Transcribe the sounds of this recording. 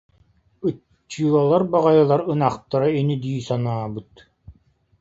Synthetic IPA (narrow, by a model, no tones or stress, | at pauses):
ɯ | t͡ɕːɯɔlˠaɾbaʁajɯlˠaɾɯnaχt̪aɾainid̪iːsanaːbɯt̪